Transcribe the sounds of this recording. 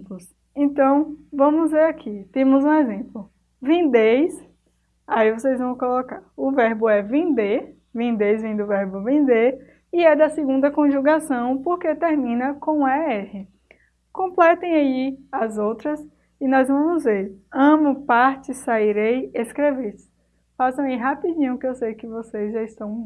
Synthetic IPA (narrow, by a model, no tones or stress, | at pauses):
pʊs | ẽnt̪ɐ̃w̃vɐ̃mʊzveɾakʰit̪ẽmʊzũezẽplʊ | vẽd̪ejs | aivosejzvɐ̃w̃kolɔkaɾʊvɛɾbʊɛvẽd̪e | vẽd̪ejzvẽnd̪ʊvɛɾbʊvẽnd̪e | iɛd̪ɐsɪɡũnd̪ɐkõʒuɡasɐ̃w̃poɾket̪eɾmĩnɐkõw̃aɛhɪ | kõplɛt̪ẽj̃aiazowt̪ɾɐs | ɪnɔzvɐ̃mʊzveɾɐ̃mʊpaɾt͡ʃɪsaiɾejeskɾevesɪ̥ | fasɐ̃w̃iɦapid͡ʒĩɲʊ̃kɪewsejkɪvosezʒaist̪ɐ̃w̃